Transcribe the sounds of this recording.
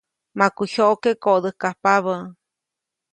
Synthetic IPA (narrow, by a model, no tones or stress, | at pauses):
makuçoʔkekoʔd̪əhkahpaβə